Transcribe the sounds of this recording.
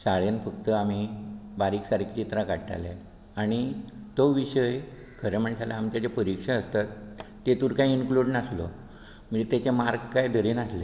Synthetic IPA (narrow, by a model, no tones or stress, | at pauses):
saɭjenfək̚t̪əam̤ibaɾiːksaɾikt͡ɕit̪ɾakaɽʈ̪a̰le | aɽ̃it̪oʋiɕəj | kʰəɾem̤əɳsalaamt͡ɕat͡ɕepəɾikʂaəst̪at̪ː | et̪uːɾkaiinkluɖnaslo | m̤əɳd͡zet̪at͡ɕemaɾɡkajd̪ʱəɾinasle